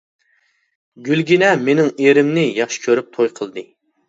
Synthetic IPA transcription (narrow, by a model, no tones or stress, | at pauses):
ɡʲylɡʲinɛmenɪŋeɾɪmnɪjɑχʃi̥kʲʰøɾyp̚t̪ʰojqʰəlˠd̪ɨ